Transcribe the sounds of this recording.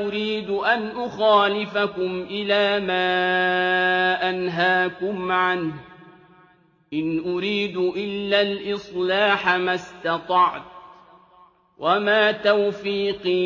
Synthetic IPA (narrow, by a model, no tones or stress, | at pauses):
ʊɾiːd̪ʔanʔʊxaːlɪfakʊmʔɪlaːmaː | ʔanɦaːkʊmʕanh | ʔɪnʔʊɾiːd̪ʔɪlːalʔɨsˤlaːħamast̪ɑt̪ˤɑʕt̪̚ | wʔamaːt̪awfiːqiː